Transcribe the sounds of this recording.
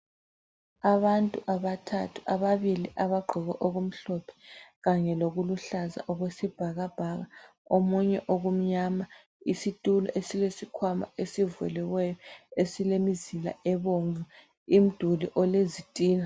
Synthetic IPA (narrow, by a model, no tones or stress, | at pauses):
aβantʼuʔaβatʰa̰tʰu̥ʔaβaβiliʔaβaɡ͡ǃʱɔɣɛʔoɣum̩ɬɔpʰɛ̥ɣaɲɛloɣuluɬaza̰ʔɔɣwesib̥ʱaɣab̥ʱaɣaomuɲɛ̰ʔoɣum̩ɲama | isitʼulɔ̰ʔesilesikʰwama̰esivɛ̰lɛwɛjɔesilemizila̰ɛβoɱvu | im̩d̥ʱuliʔɔlezitʼiːna